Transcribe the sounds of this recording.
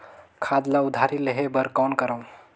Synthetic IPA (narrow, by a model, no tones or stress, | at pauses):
kʰad̪laud̪ʱaɾileɦebəɾkawnkəɾəw